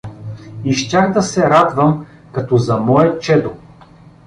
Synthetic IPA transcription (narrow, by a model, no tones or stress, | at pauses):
iʃtʲaxd̪ɐsɛɾad̪vɐm | kɐt̪ɔzɐmɔɛt͡ʃɛd̪o